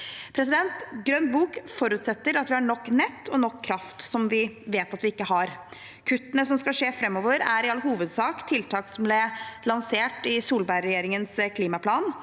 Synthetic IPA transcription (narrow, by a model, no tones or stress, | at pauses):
pʰɾɛs̬ɪd̪ɛnt̪ɡɾœnd̪buːkfɔɾʉt̪sɛt̪ːəɾɑt̪ʋɪhɑɳɔkːnɛt̪ːɔnɔkʰːɾɑft̪sɔmʋɪʋeːt̪ɑt̪ʋɪɪkːəɦɑɾ | kʰʉt̪ːənəsɔmskɑʂeːfɾɛmːɔʋəɾæɾɪɑlːəhuːʋəd̪sɑːkt̪ʰɪlt̪ʰɑːksɔmblɪlɑnseːʈɪsuːlbæɪɾɛjeːɾɪŋənskʰliːmɑpʰlɑːn